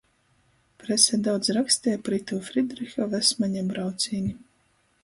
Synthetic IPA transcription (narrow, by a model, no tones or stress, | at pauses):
pɾɛsʲɛd̪awt̪sɾakst̪ʲɛːjapɾit̪uːfɾid̪ɾixʲɔvɛsmaɲabɾawt̪sʲiːnʲi